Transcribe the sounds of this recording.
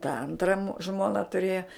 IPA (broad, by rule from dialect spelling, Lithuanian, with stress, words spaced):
tɐ ˈɐntrɐm ˈʒmoːnɐ tʊˈrʲeːjɛ